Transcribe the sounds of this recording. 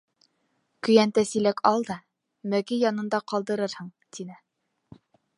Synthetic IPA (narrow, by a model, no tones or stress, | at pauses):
kɵ̆jænt̪æsilækɑlˠd̪ɑ | mækijɑnɤ̆nd̪ɑqɑlˠd̪ɤ̆ɾɤɾhɤɴt̪ʰinɘ